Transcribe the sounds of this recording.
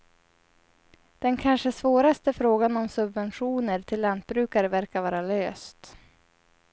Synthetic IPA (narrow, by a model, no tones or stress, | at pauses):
d̪̥ɛnkʰanʂəsvoːɾast̪əfɾoːɡanɔmsɵbvɛnɧuːnəɾʈʰɪlːant̪̚bɾʉ̟ːkaɾəvæɾkavɑːɾaløːst̪